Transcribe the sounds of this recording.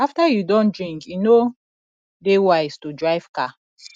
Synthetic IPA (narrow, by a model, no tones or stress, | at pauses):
aftajudɔ̃ndɹĩŋkino | dewaɪz̥tudɹaɪv̥ka